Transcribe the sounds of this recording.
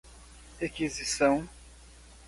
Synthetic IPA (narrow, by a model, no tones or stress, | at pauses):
ekizisɐ̃w̃